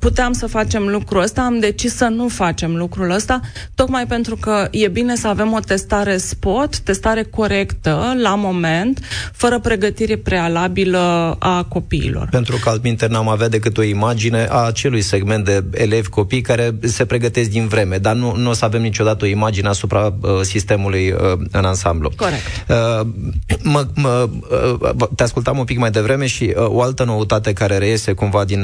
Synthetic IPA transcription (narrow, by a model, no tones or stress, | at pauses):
put̪eamsəfat͡ʃe̞mlukɾuəst̪aːmd̪e̞t͡ʃisːənufat͡ʃe̞mlukɾuləst̪a | t̪o̞kmajpe̞nt̪ɾukəje̞bine̞səave̞mo̞t̪e̞st̪aɾe̞spo̞t̪ːe̞st̪aɾe̞ko̞ɾe̞kt̪əlamo̞me̞nt̪fəɾəpɾe̞ɡət̪iɾe̞pɾe̞alabiləako̞pḭːlo̞̰rpe̞nt̪ɾukəalt̪̚mint̪ernamaveat̪d̪e̞k̬ɨt̪o̞imad͡ʒine̞ʔat͡ʃe̞lujse̞ɡme̞nt̪̚d̪e̞ele̞vʲko̞pijkaɾe̞se̞pɾe̞ɡət̪e̞s̬̚d̪invɾe̞me̞d̪arnunuosəave̞mnit͡ʃo̞d̪at̪əo̞imad͡ʒineasupɾaəsist̪e̞mulujəɨnansamblṵkoet̪ə | məə | t̪easkult̪amumpikmajd̪e̞vɾe̞me̞ʃio̞alt̪əno̞ut̪at̪e̞kaɾe̞ɾeje̞se̞kumvad̪in